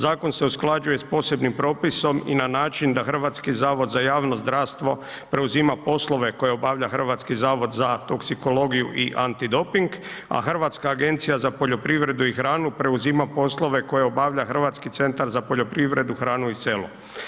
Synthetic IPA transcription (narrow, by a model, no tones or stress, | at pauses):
zaːko̞nse̞usklˠad͡ʒuje̞spo̞se̞bnimpɾo̞ːpiso̞mḭnanaːt͡ʃind̪axr̩ʋat̪skizaːʋo̞d̪zajaːʋnozd̪ɾaːʋst̪ʋo̞ | pɾe̞uzimapo̞slˠo̞ʋe̞ko̞jeo̞baʋʎaxr̩ʋat̪skizaːʋo̞d̪zat̪o̞ksiko̞lo̞ɡijuʔiʔant̪id̪o̞piŋɡ | a̰xr̩ʋat̪skaːɡe̞nt̪sijazapo̞ʎo̞pɾiʋɾe̞d̪uixɾaːnupɾe̞uzimapo̞slo̞ʋe̞ko̞jeobaʋʎaxr̩ʋat̪skit̪se̞nt̪aɾzapo̞ʎo̞pɾiʋɾe̞d̪uxɾaːnuise̞lu